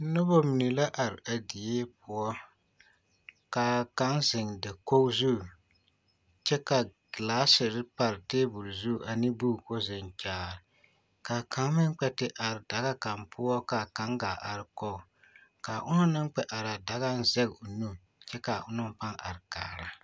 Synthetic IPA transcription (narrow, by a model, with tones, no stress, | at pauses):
nʊ˦bo˦mi˨ni˨la˦ʔa˨ɾɪ˨a˨di˨jeː˦p̚ʊ˨ɔ˦ | ka˨ka˦nzɪ˨ŋdɪ˨ko˦zu˦˨ | t͡ʃɛ˦kḁ˨ | laː˦sɪ˨ɾɪ˦pa˨ɾɪ˨teː˦bu˨ɾzu˦˨ʔa˨ni˦bu˦˨ko˦zɪ˨ŋkʲaː˨ɾɪ˨ | ka˨ka˨˦ŋ˦mɪ˦ŋ˦k͡pɛ˨tɪ˦ʔa˨ɾɪ˨da˨ɣa˦ka˨mpʰʊ˦ɔ˦ka˨ka˨˦ŋɡa˨ʔa˨ɾɪ˨kɔ˦˨ | ka˨ʔʊ˦nʊ˦nɨ˦ŋ˦k͡pɛ˨ʔa˨ɾa˨da˨ɣa˦n˦zɛ˦ɡʊ˨nu˦ | t͡ʃɛ˦ka˨ʔʊ˦nʊ˦m˨pa˦ŋa̰˨ɾɪ˨ka̰ː˨ɾa˦